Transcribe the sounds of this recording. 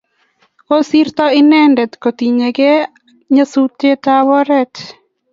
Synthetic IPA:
ko˦si˦rt̪ɔ˦ɪ˦nɛ˦ndɛ˨t̪ko˨t̪i˨ɲe˨ɡe˦ | ɲasu˦te˦t̪awɔ˦ɾɛ˦t̪

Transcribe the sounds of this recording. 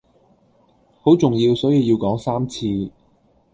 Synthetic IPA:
ho˨˥wt͡sʊ˨˩ŋjiː˧wsɔː˨˥jiː˧wjiː˧wkɔː˨˥ŋsaː˥mt͡sʰiː˧

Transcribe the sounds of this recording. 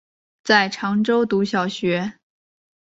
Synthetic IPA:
t͡sa˥˩ɪʈ͡ʂʰɑ˧˥ŋʈ͡ʂo˥ʊt̪u˧˥ɕjɑ˨˩ʊɕɥɛ˧˥

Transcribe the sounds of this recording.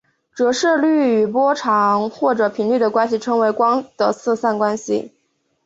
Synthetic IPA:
ʈ͡ʂɤ˧˥ʂɤ˥˧ly˥˩y˨˩pwɔ˥ʈ͡ʂʰɑ˧˥ŋxwɔ˥˩ʈ͡ʂɤ˧˩˥pʰi˧˥ŋly˥˩d̪ə˩kwa˥nɕi˨˩ʈ͡ʂʰɤ˧˥ŋwe˧˥ɪkwɑ˥ŋd̪̥ə˨t͡sʰɹ̩˥˧sa˥˩nkwa˥nɕḭ˨˩

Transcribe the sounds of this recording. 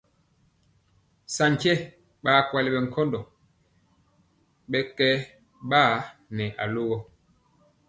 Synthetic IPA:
sa˨ɲ˨kɛ˦ | ɓaː˨˦˨kwa˨lɛ˨ɓɛ˨ŋ̩˨kʰɔ˦ndɔ˨ | ɓɛ˦kɛ˦ | ɓaː˦˨nɛ˨ʔa̰˨lo˦ɣɔ˦

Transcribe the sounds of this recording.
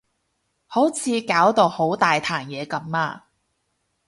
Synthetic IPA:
ho˨˥wt͡sʰiː˨˧kaː˨˥wt̪o˨˧who˨˥wt̪aː˨jt̪ʰaː˨˩njɛː˨˧kɐ˨˥maː˧

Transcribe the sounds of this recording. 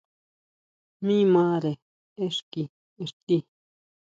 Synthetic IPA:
mĩ˦mãː˦ɾe˨ | e˦ʂki˨ | e˧˨ʂt̪i˦

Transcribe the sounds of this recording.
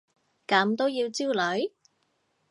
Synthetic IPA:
kɐ˨˥mt̪o˥wjiː˧wt͡siː˥wlɵ˨˧˥ɥ

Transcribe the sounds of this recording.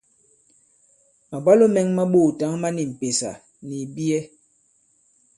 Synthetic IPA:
ma˨ba˦lo˦mɛ˦ŋma˦ɓoː˦˨ta˨˦ŋma˦ni˨m̩˨pe˨sa̰˨ | ni˨bi˦ɛ˦

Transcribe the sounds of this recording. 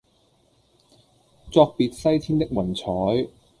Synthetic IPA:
t͡sɔː˧k̚piː˨t̚sɐ˥jt̪ʰiː˥nt̪e˥k̚wɐ˨˩nt͡sʰɔː˨˥j

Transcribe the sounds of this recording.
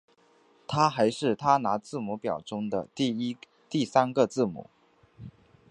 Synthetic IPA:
t̪ʰa˥xa˧˥ɪʂɻ̩˥˩t̪ʰa˥na˧˥t͡sɹ̩˥˩mu˧˥pjɑ˨˩ʊʈ͡ʂʊ˥ŋd̪ə˨˧ | t̪i˥˩sa˥nɡə˧t͡sɹ̩˥˩mṵ˨˩˦

